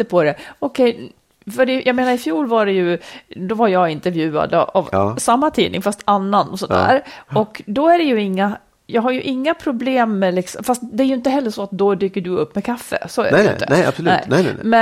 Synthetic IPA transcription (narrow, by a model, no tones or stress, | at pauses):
əpʰɔd̪ɛɔkʰɛj | fœɖɛjɑːɡmeːnaɾɪfjuːlvaɖɛjɵd̪ɔvaɾjɑɡɪnt̪ɛɾvjʉ̟ːa̰d̪̰a̰vsamːat̪ʰḭːnɪ̰ŋfast̪anːanɔsɔnd̪æ̰ːɾɔkd̪ɔæɖɛjɵɪŋːa | jɑːɡɦajɵʔɪŋːapʰɾʊbleːmːɛlɪksɔmfast̪d̪ɛːɾjɵɪnt̪əɦɛlːəʂɔat̪̚d̪ɔd̪yːkːəɖɵɵpːmɛkʰafːə̰sɔæɾɛ̰nəɛḁslʉɛ̰nɛmɛ